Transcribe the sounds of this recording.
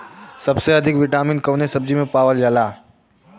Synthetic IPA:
sɐbseɐd̪ʱɪkʋɪʈaːmɪnkɐʋnesɐb̚d͡ʒimẽpaːʋəld͡ʒaːlaː

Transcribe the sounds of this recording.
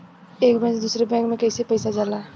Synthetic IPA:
ekbɛ̃t͡ʃd̪usɾebɛ̃ŋkmekəɪsepəjsad͡ʒala

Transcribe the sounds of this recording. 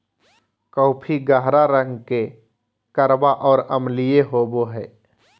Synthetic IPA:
kɔʊpʰiɡaɦɾaɾə̃ŋɡke | kəɾbaʔɔːɾəmlijeɦoːboɦɛː

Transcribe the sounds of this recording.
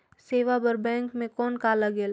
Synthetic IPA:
seːʋabɐɾbɛ̃ːŋkmẽkɔːnkaːlaɡeːl

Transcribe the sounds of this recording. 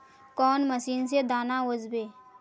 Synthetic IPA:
kɔːnməsiːns̬ed̪aːnaod͡ʒbeː

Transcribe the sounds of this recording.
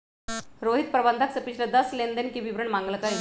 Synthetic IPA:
ɾoɦit̪̚pɾəband̪ʱaksəpit͡ɕʰləd̪əslend̪ənkiːʋiʋɾəɳmaŋɡləkaɦi

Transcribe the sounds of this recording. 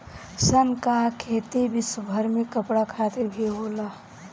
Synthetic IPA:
sənkakʰeːt̪ibɪsəbʱəɾmẽkəpɽakʰaːt̪ɪɾbʱiɦoːlaː

